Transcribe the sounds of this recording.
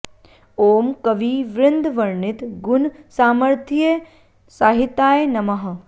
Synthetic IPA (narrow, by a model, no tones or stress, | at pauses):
oːmkɐʋiːʋɾɪnd̪ʱʋɐɾɳɪt̪ɡʊnsaːmɐɾt̪ʰie | saːɦit̪aːjnɐmɐɦɐ